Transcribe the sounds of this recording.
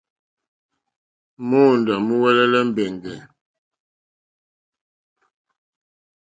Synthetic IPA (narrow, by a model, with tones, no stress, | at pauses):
mo˦˨n˨da˨mu˦wɛ˦lɛ˦lɛ˦m̩˦bɛ˨ŋɡɛ˨